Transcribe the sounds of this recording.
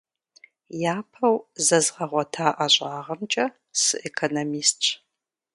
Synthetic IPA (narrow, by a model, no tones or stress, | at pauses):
jaːpʰɐwzɐzʁɐʁʷɔtʰaːʔɐɕʼaːʁɐmt͡ʃʼɐ | sɨ̰ʔekʰonomiːst